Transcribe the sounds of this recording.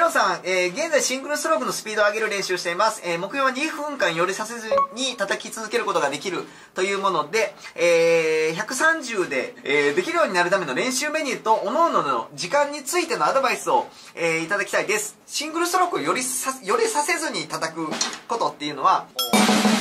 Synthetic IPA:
osãŋeːɡẽ̞nd͡zaiɕĩŋɡɯɾɯ̟st̪oɾokːɯ̟no̞sɨ̥pʲiːd̪oaɡe̞ɾɯɾẽ̞ɰ̃ɕɨːɕi̥t̪e̞imasɨ̥eːmo̞kɯ̟joːβaɲ̟iɸɯ̟̃ŋkãɰ̃jo̞ɾʲisase̞zɨɲ̟it̪at̪akʲit͡sɨzɨke̞ɾɯ̟ko̞t̪o̞ɡad̪e̞kʲiɾɯ̟ | t̪o̞jɯ̟ːmo̞no̞d̪e̞ː | çakɯ̟sãɲ̟d͡ʑɨːd̪e̞ːd̪e̞kʲiɾɯ̟jo̞ːɲ̟inaɾɯ̟t̪ame̞no̞ɾẽ̞ɰ̃ɕɨːme̞ɲ̟ʲit̪o̞ʔːnoːnono̰d͡ʑikãɲ̟ːit͡sɨit̪e̞no̞ad̪o̞baisɨo̞ | eːit̪ad̪akʲi̥t̪aid̪e̞sɨ̥ | ɕĩŋɡɯ̟ɾɯ̟st̪oɾokɯjoɾʲijo̞ɾʲisase̞zɨɲ̟it̪at̪akɯ̟ko̞t̪o̞t̪ːe̞jɯ̟no̞βao

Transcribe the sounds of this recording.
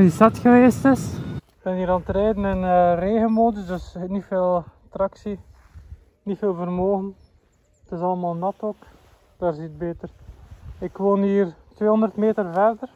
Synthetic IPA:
isɑtxəʋeːstɪsɪɡ̚b̥ɛniːɾantɾɛːdənɛnːreːɣənmoːdəzdɵsnifeːlˠtrɑksi | nifeːlˠvərmoːɣən | tɪsɑləmaːlˠnɑtoːk | d̥aːrzit̚beːtərɪkʋoːniːrtʋeːɦɔndərtmeːtərvɛrdər

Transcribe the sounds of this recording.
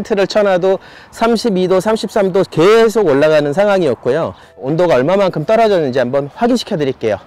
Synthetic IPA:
ntʰɯɾɯɭt͡ɕʰʌnado | sʰamɕʰibidosʰamɕʰip̚s͈amdoke̞sʰoɡoɭːaɣanɯns̬ʰaŋɦwaŋijʌk̚k͈ojo | ondoɡaʌɭmamaŋkʰɯmt͈ʌɾʌd͡ʑʌnːɯnd͡ʑiambʌnɸwaɡinɕʰi̥kʰjʌdɯɾiɭk͈e̞jo

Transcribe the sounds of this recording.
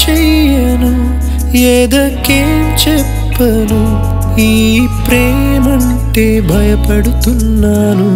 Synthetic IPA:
t͡ʃɛjjɐnu | jeːd̪ɐkeːmt͡ʃɛ | pːɐ | nu | iː | pɾɛː | mɐɳ | ʈeːbʱɐjɐpɐɽut̪unːaːnu

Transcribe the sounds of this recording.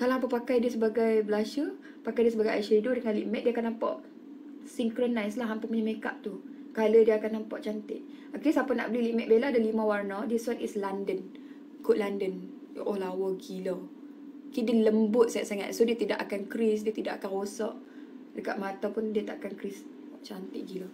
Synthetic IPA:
kalaampəpakajdiəsəbaɡajbəlaʃə | pakajdiəs̬əbaɡaja̰ʃedodəŋanliʔmɛt̪̚diəakanːampa̰ʔ | siŋkɾonajslaɦampəmuɲameka̰ʔ̚t̪u | kalədiəakanːampaʔt͡ʃant̪ɪ̰ʔ̚ | akɾisapəna̰ʔbəliliʔmɛʔ̪̚beladəlimãwarnadiswanislandən | kʊʔlandən | ʔolawəɡilo | kidələmbʊt̪̚saaʔsaŋa̰t̪sodiət̪idaʔakankɾis̬diət̪idaʔakanrosɔʔ | dəkaʔ̪̚mat̪apundiət̪aʔakankɾis | t͡ʃant̪ɪʔɡilo

